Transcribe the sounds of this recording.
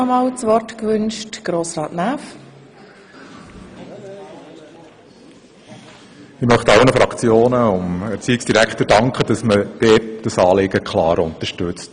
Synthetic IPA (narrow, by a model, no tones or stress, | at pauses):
ɔmɑːlt͡sʋɔrtkʋʏnʃtɡ̥ɾoːsrɑːtnæːf | ɪmœχtɑlnəfɾɑkt͡sjoːnəʊmɛɾt͡siɪksd̥iɾækχtəɾdɑŋkχəd̥ɑsməd̥ɛːd̥ɑsɑːlɪɡəkχlɑ̰ːɾʊntəʃtʉt͡st